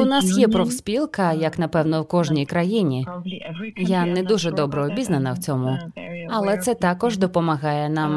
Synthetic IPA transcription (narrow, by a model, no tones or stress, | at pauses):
ʊnasjɛpɾɔwspʲilˠkɐjɐknɐpɛwnɔwkɔʒnʲijkɾɐjinʲi | janɛd̪uʒɛd̪ɔbɾɔːbʲiznɐnɐwt͡sʲɔmʊɐlˠɛt̪sɛt̪ɑkɔʒd̪ɔpɔmɐɦɑjɛnam